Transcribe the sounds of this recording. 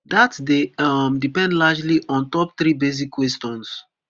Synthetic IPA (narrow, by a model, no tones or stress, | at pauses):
d̪atdeamdipɛ̃ndlad͡ʒliʔɔ̃ntɔp̚t̪ɾibes̬ikwɛstɔ̃ns